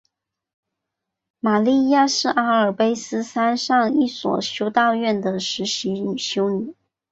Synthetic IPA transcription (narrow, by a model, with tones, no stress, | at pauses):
ma˨˩li˥˧ja˥˧ʂɻ̩˥˩ʔa˥ə˞˨˩pe˥ɪsɹ̩˥sa˥nʂɑ˥˧ŋi˥˩swɔ̰˨˩ɕjo˥ʊt̪ɑ˥˧ʊɥɛ˥˩nd̪ə˩ʂɻ̩˧˥ɕi˧˥ny˨˩ɕjo˥ʊny˨˩˦